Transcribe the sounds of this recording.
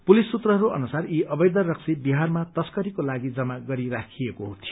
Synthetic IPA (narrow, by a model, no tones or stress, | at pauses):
pulisːut̪rʌɦʌɾuʔʌ̰nusariʔʌbʌjd̪ʌrʌksibiɦarmat̪ʌskʌɾikolaɡid͡zʌmaɡʌɾiɾakʰijekoɦut̪ʰijo